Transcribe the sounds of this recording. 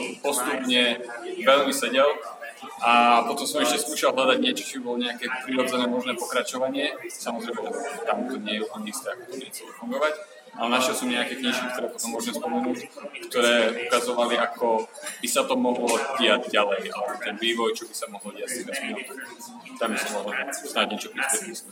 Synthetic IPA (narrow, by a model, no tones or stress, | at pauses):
pɔst̪upɲɛʋɛʎmisɛɟɛl | ʔapɔt̪ɔmsɔmɛʃcɛskuːʃalˠɦlad̪aɟɲɛt͡ʃɔ̥t͡ʃɔbibɔlɔɲɛakɛːpɾiɾɔd͡zɛnɛːmɔʒnɛːpɔkɾat͡ʃɔʋaɲɪɛsamɔzɾɛjmɛɛt̪amt̪ɔɲɪɛjɛupl̩ɲɛist̪ɛːakɔ̥t̪ɔbiɲɛxt͡sɛlɛfuŋɡɔʋac | ʔalɛnaʃɛlˠsɔmɲɛakɛkɲiʃkik̚t̪ɔɾɛːpɔt̪ɔmːʊɔʒmɛspɔmɛnuːckt̪ɔɾɛːukazɔʋaliakɔb̥isat̪ɔmɔɦlɔɟɪaɟɟalɛjalɛbɔt̪ɛnʋiːʋɔjt͡ʃɔbisamɔɦlɔɟɪact̪ɛvɛsmɔt̪ | t̪ambisɔmmɔɦlsnaɟɲɪɛt͡ʃɔpɾisp̪ɛt̪is